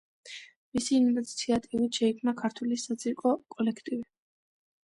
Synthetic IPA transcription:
misiːnsʰiat̪ʼiuit̪ʃɛikʰmnakʰaɾt̪ʰwulisat̪sʼiɾkʼɔkʼɔlɛkʰt̪ʼivi

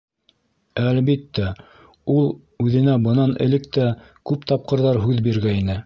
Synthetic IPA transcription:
ælβit̪ːæ | ulˠ | ʉðɘ̆næbɤ̆nɑnɘ̆lɘ̆k̚t̪æ | kʉpt̪ɑp̚qɤ̆ɾðɑɾɦʉðbiɾɡæinɘ

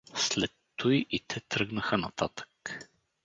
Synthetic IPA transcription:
slɛt̪ːojʔit̪ʰɛt̪ɾɤɡnəxənɐt̪at̪ə̥k

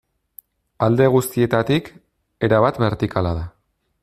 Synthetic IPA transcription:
ald̪e̞ɣ̞ust̪ie̞t̪at̪ik | e̞ɾaβ̞at̪be̞ɾt̪ikalaða

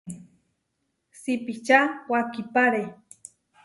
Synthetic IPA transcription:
sipit͡ʃawakipaɾe

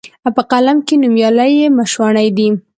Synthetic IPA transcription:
awpəqalamkenumjɑlajemaʃwɑɳajd̪i

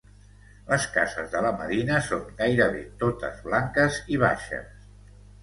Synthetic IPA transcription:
ləska̰zəzðələməðinəsoŋɡajɾəβḛt̪ot̪ə̰zβlaŋkəziβ̞a̰ʃə̰s

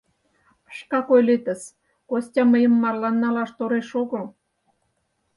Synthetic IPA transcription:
ə̥ʃkɑkojlet̪ə̆s | kosʲtʲɑməjə̆mːɑrlɑnːɑlɑʃt̪oɾeʃoɣo

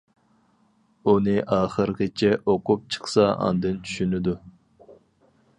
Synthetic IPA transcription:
unɨʔɑːχəɾqʲət͡ʃʰɛʔoqʊp̚t͡ʃʰɨ̥χsɑɑ̰nd̪ɨnt͡ʃʰy̥ʃynɪd̪u

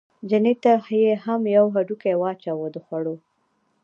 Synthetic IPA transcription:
d͡ʒanet̪ahjehamjawɦaɖukawɑt͡ʃawod̪əxwaɽo

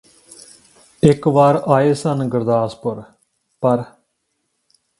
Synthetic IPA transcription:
ɪkʋaːɾaːeːsənɡəɾd̪aːspəɾ | pəɾ

